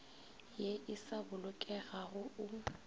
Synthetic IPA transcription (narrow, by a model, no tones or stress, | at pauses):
jeʔɪsabʊlʊkʼɛɣaɣʊʊ